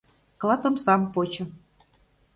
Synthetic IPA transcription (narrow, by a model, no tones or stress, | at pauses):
klˠɑt̪ŏmsɑmpot͡ɕɤ̆